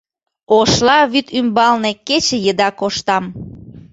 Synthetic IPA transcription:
oʃlɑβyt̪ymbɑlneket͡ɕĕjəd̪ɑkoʃt̪ɑm

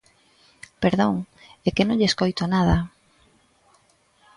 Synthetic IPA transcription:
peɾðoŋ | ekɪnõŋʎeskojt̪onað̞ɐ

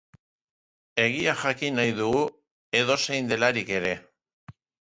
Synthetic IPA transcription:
e̞ɣ̞iaxakinajðuɣu | e̞ðo̞se̞jnd̪e̞laɾike̞ɾe̞

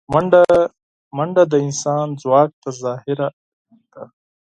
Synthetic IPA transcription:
mɐɳɖa | mɐɳɖad̪əinsaːnzwaːk̚t̪azaːhiɾa | t̪a

